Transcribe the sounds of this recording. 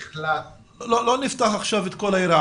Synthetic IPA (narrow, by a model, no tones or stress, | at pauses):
lat | lolonift̪aχaχʃavet̪kolaiɾa